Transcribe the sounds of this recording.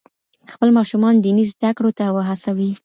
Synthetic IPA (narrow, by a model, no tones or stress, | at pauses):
xpəlmɑʃumɑnd̪inizd̪akɽot̪awəɦasawi